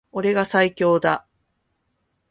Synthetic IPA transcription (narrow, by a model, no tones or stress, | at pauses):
o̞ɾe̞ɡasaikʲo̞ːd̪a